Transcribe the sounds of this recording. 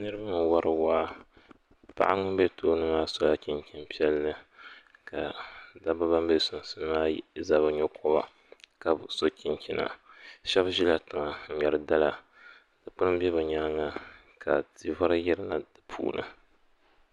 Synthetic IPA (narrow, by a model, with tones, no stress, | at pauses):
nɨ˦ɾɨ˦ba˦m˨wa˦ɾɨ˨waː˦ | pa̰˦ʔa˦ŋʊ˦bɛ˦toː˦nɨ˦maː˦so˦la˦ki˦ɲkʲi˦npi˦ɛ˦lnɨ˦ka˨da˦bɨ˦ba˦mbe˦sʊ˨sɨ˦nɨ˦maː˦za˦βɨ˦ɲɛ˦kʰɔ˦ba̰˨ | ka˨bso˦kʲi˦ŋkʲi˦na̰˨ʃɛ˦bʒi˦la˨tɨ˨ŋa˨m̩˨ɲɛ˨ɾɨ˨da˦la˨ | d̥ɨ˨k͡pʊ˦ɾɨ˦m˦bɛ˦βɨ˨ɲaː˦ŋa˦ | ka˨ti˨va˦ɾɨ˦jɛ˦ɾɨ˦na˨dɨ˨pʰṵː˦nɨ̰˨